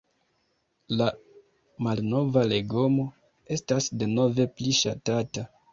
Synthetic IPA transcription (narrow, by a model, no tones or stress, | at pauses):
la | malno̞vale̞ɡo̞mo̞ | e̞stasde̞no̞ve̞pliʃatata